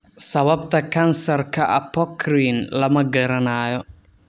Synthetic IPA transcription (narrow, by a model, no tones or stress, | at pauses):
sɐβɐb̚t̪ʰɐkʰɐnsɐrkʰɐʔɐpʰɔkʰriːnlɐmɐɡɐɾɐnaːjɔ